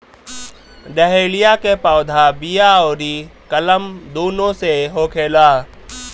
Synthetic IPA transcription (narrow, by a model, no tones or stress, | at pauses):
ɖɛɦeːlijakepaːd̪ʱabijaoːɾikɐləmd̪uːnõseɦoːkʰeːlaː